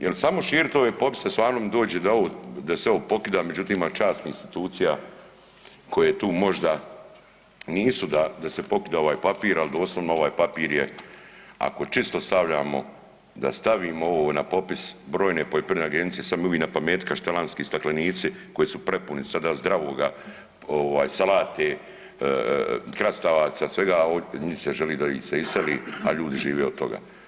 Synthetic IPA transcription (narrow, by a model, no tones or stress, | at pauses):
jʔelsamoʃiːɾit̪o̞ʋeːpo̞pi̥sest̪ʋaːɾnoːmd̪oːd͡ʑed̪aoʋod̪aseoopo̞kid̪aːmed͡ʑut̪iːmat͡ʃaːst̪nainst̪i̥t̪uːt̪sija | kʰo̞jeːt̪uːmo̞ʒd̪a | niːsud̪ad̪asepo̞kid̪ao̞ʋaːjpapiːɾalid̪o̞ːslˠoʋnoo̞ʋaːjpapiːɾje | a̰kot͡ʃist̪o̞st̪aʋlʎaːmo̰ | d̪a̰st̪aʋiːmooʋonapo̞pisbɾo̞ːjnepojepineaɡenit̪esamjoʋiːnapameːt̪kaʃt̪elanskiːst̪akleniːt̪siko̞jesupɾe̞punisad̪azd̪ɾaʋoːɡa | oʋaːjsalaːt̪e | kɾast̪aʋaːt̪sasʋe̞ɡaoɲiseʒeliːd̪aiseiseliːaʎuːd̪iʒiːʋeod̪t̪o̞̰ɡa̰ː